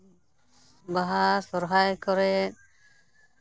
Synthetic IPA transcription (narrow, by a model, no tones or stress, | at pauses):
baɦasɔɾɦajkɔɾɛ